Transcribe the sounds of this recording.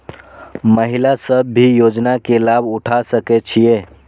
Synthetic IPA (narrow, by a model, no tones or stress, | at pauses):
məɦilasəbːijod͡ʒnakelabʱuʈʰasəkɛt͡ʃʰije